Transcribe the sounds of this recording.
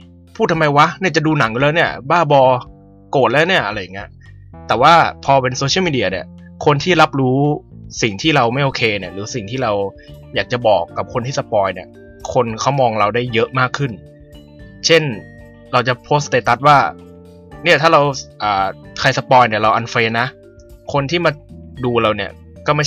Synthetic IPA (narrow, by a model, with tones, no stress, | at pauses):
pʰuː˥˩t̪ːʰmːa˧jwa˦˥ni˥˩t͡ɕa˨˩duː˧na˩˦ŋju˧lɛː˦˥ni˥˩ɐbaː˥˩bɔː˧ | koː˨˩t̪̚lɛː˦˥wni˥˩ɐʔa˧ɾa˧jːa˨˩ŋːi˦˥ɐ | t̪ɛː˨˩waː˥˩pʰɔː˧pe˧nsoː˧t͡ɕʰi˦˥˩miː˧di˧ɐ˧ni˦˩ | kʰo˧nt̪ʰiː˥˩la˦˥p̚ɾuː˦˥si˨˩ŋt̪ʰiː˥˩ɾa˧wma˥˩jʔoː˧kʰeː˧ni˥˩ɾɯː˩˦si˨˩ŋt̪ʰiː˥˩ɾa˧wjaː˨˩k̚t͡ɕa˨˩bɔː˨˩kːa˨˩p̚kʰo˧nt̪ʰiː˥˩sa˧˦pɔː˧jni˥˩ɐ | kʰo˧nkʰa˦˥wmɔː˧ŋɾa˧wdaː˥˩jːɤ˦˥ʔmaː˥˩kʰːɯ˥˩n | t͡ɕʰe˥˩n | ɾa˧wt͡ɕa˨˩pʰoː˦˥st̪e˨˩t̪a˦t̪̚waː˥˩ | ni˥˩ɐt̪ʰaː˥˩ɾa˧wʔaː˨˩kʰa˧jsa˧pɔː˧jni˥˩ɐɾa˧wʔa˧nfeː˧na˦˥ʔ | kʰo˧nt̪ʰiː˥˩maː˧duː˧ɾa˧wni˦˥˩ɐ | kɔː˥˩ma˥˩